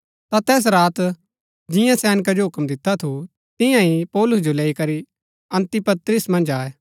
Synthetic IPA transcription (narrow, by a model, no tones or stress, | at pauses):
t̪at̪ɛːs̬ɾaːt̪ | d͡ʒɪjãsɛːnɪkad͡ʒoɦʊkmd̪ɪt̪ʰːat̪ʰu | t̪ɪ̃jãipɔːlʊs̬d͡ʒoleːikɐɾi | ɐ̃nt̪ipɐt̪ɾɪsmɐ̃nd͡ʒaːɛː